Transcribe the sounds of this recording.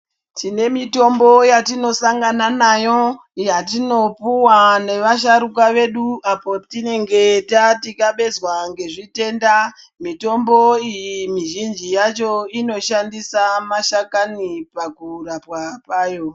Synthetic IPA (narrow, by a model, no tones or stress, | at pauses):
tʰine̞mito̞mbo̞jatino̞saŋɡananajo̞ | jat̬ino̞puwane̞ʋaʃ̬aɾukaʋe̞ɗuapo̞tine̞ŋɡe̞tatikaɓe̞zwaŋɡe̞ʐite̞nda | mito̞mbo̞ijimiʒind͡ʒijat͡ʃo̞ino̞ʃandisamaʃakanipakurapwapaːjo̞